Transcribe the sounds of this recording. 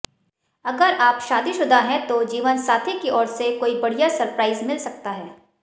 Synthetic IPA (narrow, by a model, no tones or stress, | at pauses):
ɐɡəɾaːpʃaːd̪iʃʊd̪ʱaɦɛ̃t̪od͡ʒiːʋənsaːt̪ʰikiɔːɾsekoːibɐɽijasɐɾpɾaːɪzmɪlsɐk̚t̪aɦɛː